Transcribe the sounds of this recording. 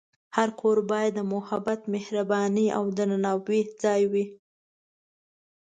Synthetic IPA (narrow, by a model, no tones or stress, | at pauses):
haɾkʰoɾbɑjad̪ːəmʊhabat̪mɪhɾabɑnia̰wd̪ənanɑbed͡zɑjwi